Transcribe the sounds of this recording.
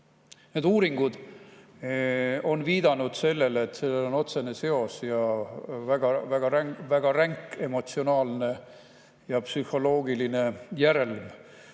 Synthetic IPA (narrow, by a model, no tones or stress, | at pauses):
ne̞ːd̪uːɾiŋɡ̥ud̪̥ | o̞nviːd̪̥ɑnud̪̥se̞lːe̞let̪ːse̞lːelo̞no̞t̪se̞nese̞o̞sjɑvæɡ̥ɑvæɡ̥ɑɾævæɡ̥ɑɾæŋkːe̞mo̞t̪sio̞nɑːlne̞ | jɑpsyho̞lo̞ːɡiline̞jæɾe̞lm